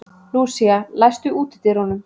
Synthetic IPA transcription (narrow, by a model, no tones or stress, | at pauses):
ruːsialajst̪ʏuːt̪ɪ̥t̪ɪɾhɔnʏm